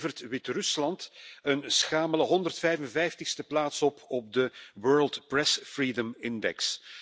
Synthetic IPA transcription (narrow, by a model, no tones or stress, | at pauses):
vərtʋɪtrɵslɑntənsxaːmələɦɔnd̪ərtfɛjvənvɛjftəxstəplaːtsɔpɔb̚dəwɜːɹlˠtprɛsfriːdəmɪndɛ̰ks